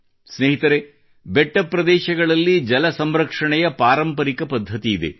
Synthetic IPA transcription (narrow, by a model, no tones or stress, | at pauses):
sneːɦit̪ɐɾe | beʈːɐpɾɐd̪ɛːʃɐɡɐɭɐlːid͡ʒɐlɐsɐmɾɐkʂɐɳɛjɐpaːɾɐmpɐɾikɐpɐd̪ʱːɐt̪iːd̪e̞̰